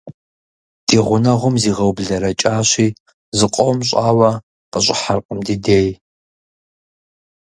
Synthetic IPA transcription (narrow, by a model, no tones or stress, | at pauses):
d̥iːʁʷʊnɐʁʷʊmziːʁɐwbɮɐɾɐt͡ʃʼaːɕiː | zɨqʷʼɔwmɕʼaːwɐ | qəɕʼɪ̰ħarqʼəmdideːj